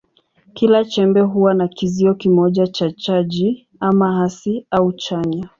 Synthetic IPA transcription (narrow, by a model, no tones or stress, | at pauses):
kilat͡ʃɛmbɛɦuwanakiziɔkimɔʄat͡ʃat͡ʃaʄi | amaɦasiaut͡ʃaɲa